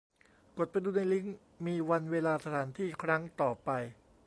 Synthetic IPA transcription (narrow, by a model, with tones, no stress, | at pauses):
ko˨˩t̪̚pa˧jduː˧na˧jli˦˥ŋ | miː˧wa˧nweː˧laː˧sa˧t̪ʰaː˩˦nt̪ʰiː˥˩kʰɾa˦˥ŋt̪ɔː˨˩pa˧j